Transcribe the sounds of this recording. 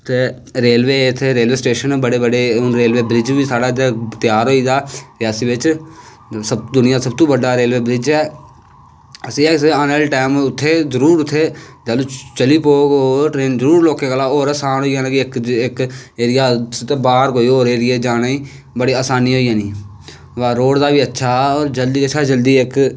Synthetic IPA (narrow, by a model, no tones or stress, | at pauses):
t̪eː | ɾeːlʋeːɪt̪ʰːeːɾeːleːsʈeːʃənbəɽeːbəɖeːʊnɾeːlʋeːbɾɪd͡ʒʋiːsaːɽaːd͡ʒ̪et̪ɪjaːɾɦoːiːd̪aːɾɪjaːsiːʋɪt͡ʃ | səb̚d̪ʊnɪjãːsəbt̪ũːbəɖaːɾeːlʋeːbɾɪd͡ʒɛː | əsĩːesənəlʈaːmʊt̪ʰːeːzəɾuːɾʊt̪ʰːeːd͡ʒaluːt͡ʃəliːpoːɡoːʈɾeːnzəɾuːɾloːkẽːkalaːoːɾaːsaːnɦoːiːãːnãːkɪɪkɪkeːɾɪjaːt̪eːbaːɾkoːiːoːɾeːɾɪjeːd͡ʒaːnaːiː | bəɽiːaːsaːniːɦoːiːãːniː | ʋaːɾoːɽd̪aːʋiːətːʃʰaːoːɾd͡ʒəld̪iːəʃʰaːd͡ʒəld̪iːɪk